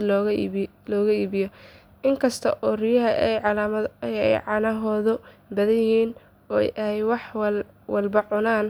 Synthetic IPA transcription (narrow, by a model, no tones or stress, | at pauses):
lɔːɣlɔːɣɐiːβɪjɔ | ʔɪŋkʰɐst̪ʰɐʔɔːrɪjɐɦɐʔjʕɑlaːmɐɛ̰jʕɑnɐɦɔːðɔbɐðɐjɪhiːn | ɔːɛ̰jʔɐhɛjwɑħw | wɐlbɐʕʊnaːn